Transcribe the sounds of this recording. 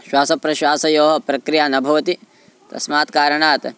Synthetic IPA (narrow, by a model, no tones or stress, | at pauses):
ʃwaːsɐpɾɐʃwaːsɐjoːɦɐpɾɐkɾijaːnɐbʱɐʋɐt̪i | t̪ɐ̰smaːt̪kaːɾɐɳaːt̪